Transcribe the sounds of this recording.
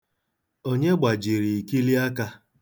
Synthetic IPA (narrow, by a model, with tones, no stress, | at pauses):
o˦ɲe˦ɡ͡ba˨d͡ʒi˨ɾi˨i˨ki˦li˦a˦ka˦